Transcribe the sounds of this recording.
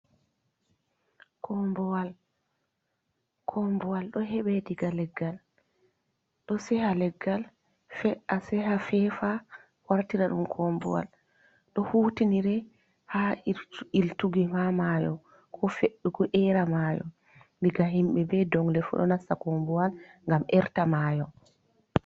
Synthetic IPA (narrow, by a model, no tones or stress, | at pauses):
kʰɔmbɔwal | kʰɔmbɔwalɗɔɦɛɓɛdiɡalɛɡːal | ɗɔsɛhalɛɡːal | fɛasɛɦafɛfa | waɾtiɾaɗumkʰɔmbɔ̰wa̰l | ɗɔhutiniɾɛ | ha | iltuɡihamajɔ̰ | kʰɔfeɗːuɡɔʔɛɾamajɔ̰ | diɡaɦimɓɛbɛdɔŋlɛfṵɗɔ̰nasakombuwalŋɡamʔɛɾtamajɔ